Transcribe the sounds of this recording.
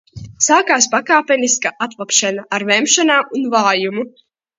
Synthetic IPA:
saːkaːspakaːpʲɛniskaʔat̪lˠapʃanaʔaɾvɛmʃanaːunvaːjumu

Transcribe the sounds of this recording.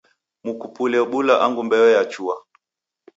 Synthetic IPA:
mukupulɛɔɓulaʔaŋɡumbɛɔjat͡ʃua

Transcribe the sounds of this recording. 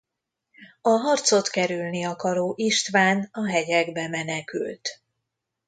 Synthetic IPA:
ɒɦɒrt̪so̞t̪kɛɾylniɒkɒɾoːʔiʃt̪ʋaːnɒɦɛɟɛɡbɛmɛnɛky̰lt̪

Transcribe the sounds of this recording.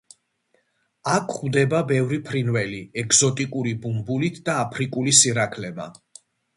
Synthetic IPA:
akʰχwvd̪ɛbabɛvɾipʰɾinvɛliɛɡz̥ɔt̪ʼikʼuɾibumbulit̪ʰd̪aːpʰɾikʼulisiɾakʰlɛma̰

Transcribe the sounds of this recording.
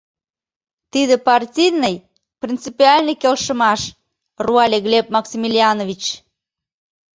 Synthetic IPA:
t̪iðepɑrtʲijnːəj | prʲint͡sipiɑlʲnə̆kelʃə̆mɑʃ | ruɑlʲeɣlʲep̚mɑksʲimilʲiɑnovʲit͡ɕ

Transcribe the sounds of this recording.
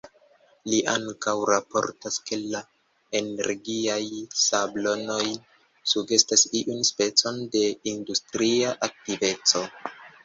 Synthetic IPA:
liʔa̰ŋkawɾapo̞̰ɾtaske̞la | ene̞̰ɾɡiajsablo̞no̞j | suɡe̞stasiʔunspe̞t͡so̞nde̞industɾiaʔak̚tive̞t͡so̞

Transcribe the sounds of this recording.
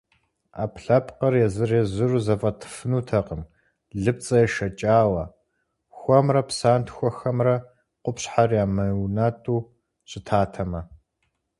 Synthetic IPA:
a̰ːpɬɐpqɐrjɛzɨreːzɨruzɐfʼɐtʰɨ̥fɨnuːtʰɐqəm | ɮɨp̚t͡sʼɐjɛʃɐt͡ʃʼaːwɐ | xʷɔmrɐpʰsaːntʰxʷɔxɐmrɐ | qʷʊpɕħarjaːmɐwnaːtʼuː | ɕʼɪtʰaːtʰɐmɐ

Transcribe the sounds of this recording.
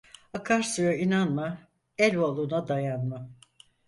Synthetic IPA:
akʰaɾsujainanma | ɛlʲolˠunad̪ajanma

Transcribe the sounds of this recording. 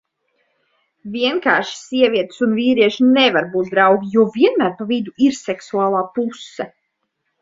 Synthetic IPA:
viɛŋkaːʃi̥siɛviɛt̪sunviːɾiɛʃinevaɾbuːt̪̚d̪ɾawɡʲijuɔviɛnmæːɾpavid̪uiɾsɛksuaːlˠaːpusːɛ

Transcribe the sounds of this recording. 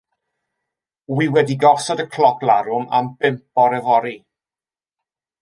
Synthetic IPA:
wiwɛdiɡɔsɔdəkʰl̥ɔpʰlˠaɾʊma̰mbɪmp̚ɔɾɛvɔɾi

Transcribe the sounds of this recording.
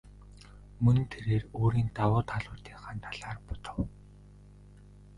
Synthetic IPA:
mɵn̆nt̪ʰeɾeːroːɾiːnt̪awʊːt̪ʰaɮʊːt̪iːŋχant̪ʰaɮaːrpʊ̥t̪ə̆w

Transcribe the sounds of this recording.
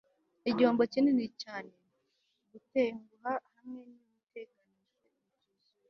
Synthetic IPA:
iɟo̞ːmbo̞cinenicaːne | ɡuteːŋɡuɦahamŋe̞numute̞ːkaniʒwe

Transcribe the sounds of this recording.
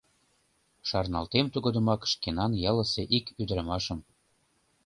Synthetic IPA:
ʃɑrnɑlt̪emt̪uɣod̪ə̆mɑkʃkenɑnjɑlə̆seʔikyd̪əɾə̆mɑʃəm

